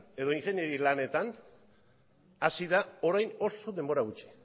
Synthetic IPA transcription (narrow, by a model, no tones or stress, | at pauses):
e̞ðo̞iŋxe̞neɾilane̞t̪an | asiðao̞ɾajno̞so̞ðe̞mbo̞ɾaɣut͡ʃi̥